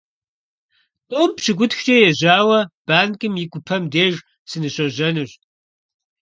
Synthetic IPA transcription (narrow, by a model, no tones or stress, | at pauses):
tʼoːmpɕɪɡʷʊtxt͡ʃʼɐjɛʑaːwɐb̥aːnkʼɨmjɪkʷʊpʰɐmdeːʒ | sɨnɨɕʼɐʑɐnɨɕ